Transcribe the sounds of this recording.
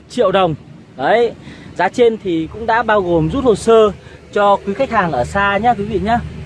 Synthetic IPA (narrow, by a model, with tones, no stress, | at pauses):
t͡ɕḭ˧˨əwɗə˨˩wŋ͡m | ʔə˨˦jzaː˨˦t͡ɕe˧nt̪ʰi˨˩kʊ̰˧˥ŋ͡mɗa̰ː˧˥ɓaː˧wɣo˨˩mzu˦˥t̚ho˨˩t̚səː˧t͡ɕɔ˧kwi˨˦xa˦˥jk̚haː˨˩ŋʔəː˧˩saː˧ɲaː˧kwi˨˦vḭ˧˨ɲaː˨˧˦